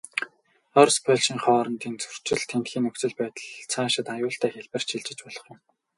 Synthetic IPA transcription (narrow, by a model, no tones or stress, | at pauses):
ɔrspʰɔɮʃiːŋχɔːɾɞ̆nt̪iːnt͡sɵ̥r̥t͡ɕɪ̆ɮt̪ʰːent̪xiːnːɵkt͡sɘ̆ɮpæːt̪ə̆ɮt͡sʰaːʃɪ̆t̪ajʊːɬt̪ʰæːxeɮpɘ̆r̥t͡ɕʰiɮt͡ɕɪ̆t͡ɕpɔɮ̥ɞ̆χjʊ̆m